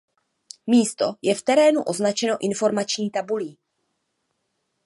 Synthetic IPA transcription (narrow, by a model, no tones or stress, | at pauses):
miːst̪o̞jɛft̪ɛɾɛːnuʔo̞znat͡ʃɛno̞ʔɪnfo̞ɾmat͡ʃɲiːt̪abuliː